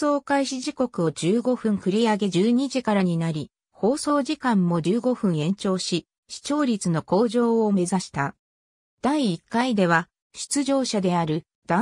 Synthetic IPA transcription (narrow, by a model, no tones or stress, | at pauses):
o̞ːkaiɕiʑiko̞kɯ̟o̞d͡ʑɨːɡo̞ɸɯ̟̃ŋkɯ̟ɾʲiaɡe̞d͡ʑɨːɲ̟iʑikaɾaɲ̟inaɾʲi | ho̞ːso̞ːʑikãmːo̞d͡ʑɨːɡo̞ɸɯ̟̃ɰ̃ẽ̞ɲ̟t͡ɕo̞ːɕi | ɕi̥t͡ɕo̞ːɾʲit͡sɨno̞ko̞ːʑo̞ːome̞zaɕi̥t̪a | d̪̥aiːkːaid̪e̞β̞a | ɕi̥t͡sɨʑo̞ːɕad̪e̞aɾɯ̟ | d̪̥a